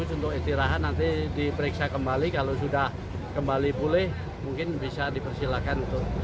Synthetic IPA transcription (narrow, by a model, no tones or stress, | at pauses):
ʊsunt̪ʊkist̪iɾaɦat̪nant̪idipəɾiksakəmbalikalos̬udah | kəmbalibulɛh | muŋkɪnbisadipərsilakanunt̪ʊk